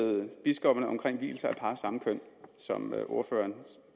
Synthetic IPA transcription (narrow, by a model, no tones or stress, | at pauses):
ð̩ˠb̥isɡ̥ɒb̥ɐnəɒ̽mkʰʁeŋ̰ʋḭːl̩sɐæpʰɑ̈ːsɑ̈məkʰøn̰sɒ̽møʔo̝ɐfø̰ːɐn